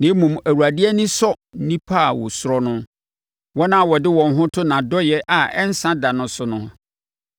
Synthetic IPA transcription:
nɪ̃˨˦mũ˨mæ˨wu˨ɾa˨dɪ˦ɛ˦nĩ˦sɔ˦ | n̩˦nĩ˦pʰa˦˨wɔ̰˨sʊ˦ɾɔ˦nʊ̃˦ | wɔ˦nã˦˨wɔ˨dɪ˦wɔ̃˨n˦ɦʊ̃˦tʰʊ˦nã˨dɔ˦jɛ˦ʔa˨ɛ˦n̩˦sã˦da˨nʊ̃˨˦sʊ˦nʊ̃˦

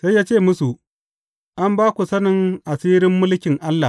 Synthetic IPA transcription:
sa˦jaː˦t͡ʃeː˦˨mʊ˦su˨ʔ | ʔa˦mbaː˦kʷu˨sɐ˦nɪ˨ŋʔa˨siː˦ɾɪ˦mːʊ˦lkʲɪ˨ŋʔa˦lːa˨

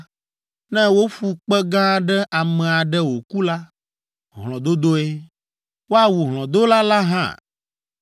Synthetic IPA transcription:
nɛ̃˦wo˦fu˨k͡pɛ˦ɡã˦ɖɛ˦ʔa˨mɛ̃˨a˨ɖɛ˦wo˨ku˦la˦ | ɦl̃ɔ̃˨d̪o˦d̪o˦e˦ | wo˦a˨wu˨ɦlɔ̃˨d̪o˦la˦la˦ɦã̰˦˨

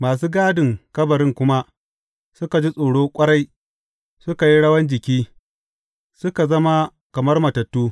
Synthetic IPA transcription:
maː˨s̬uː˦ɡaː˦dɪ˨ŋkɐ˦bɐ˨ɽɪ˦ŋkʷʊ˦ma˦ | sʊ˦ka˨d͡ʒi˦sʼoː˨ɽoː˦kʷʼɐ˦ɽa˦j | sʊ˦ka˨ji˦ɽɐ˦wɐ˦nd͡ʒɪ˨kʲiː˦ | sʊ˦ka˨zɐ˦ma˦ | kɐ˨mɐ˦rmɐ˨tɐ˨tːuː˦

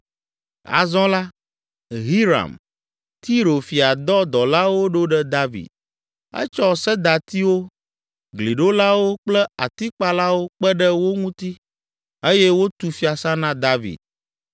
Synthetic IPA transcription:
a̰˨zɔ̃˦la˦ | ɦi˦ɾa̰˨m | t̪i˦ɾo˨fi˨a˨d̪ɔ˦d̪ɔ˨la˦wo˦ɖo˦ɖɛ˦d̪a˦vḭ˨d̪̚ | ɛ̰˦t͡ʃɔ˦sɛ˦d̪a˨t̪i˦wo˦ | ɡli˨ɖo˦la˦wo˦k͡plɛ˦a˨t̪i˦k͡pa˦la˦wo˦k͡pɛ˦ɖɛ˦wo˦ŋũ˦t̪i˦ | e˦jɛ˦wo˦t̪u˨fi˦a˨sã˦nã˦d̪a˦vḭ˨d̪̥̚

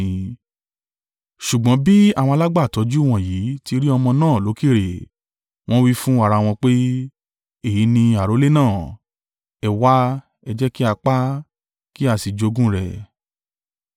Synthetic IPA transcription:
ʃu˨ɡ͡bɔ̃˨˦bi˦a˦˨w̃ɔ̃˧a˧la˦ɡ͡ba˦˨tɔ˨˧d͡ʒu˦w̃ɔ̃˨ji˨˦ti˧ɾi˦ɔ˧mɔ̃˧nãː˦˨lo˨˦ki˦˨ɾe˨ | w̃ɔ̃˦wi˦fũ˦a˦˧ɾa˧w̃ɔ̃˧k͡pe˦ | e˦˨ji˨˦nĩ˧a˨ɾo˨˦le˦nãː˦˨ | ɛ˨wa˦ | ɛ˧d͡ʒɛ˦ki˦a˧k͡pa˦ | ki˦a˦˧˨si˨d͡ʒo˧ɡũ˦ɾɛ˨

